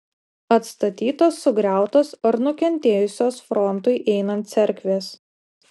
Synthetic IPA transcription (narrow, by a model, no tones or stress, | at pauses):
ɐt̪st̪ɐt̪ʲiːt̪oːsːʊɡɾʲæˑʊt̪oːsɐɾnʊkʲɛnʲt̪ʲeːjʊsʲoːsfɾɔnt̪ʊɪʔɛɪnɐnt̪sʲɛɾʲkʲʋʲeːs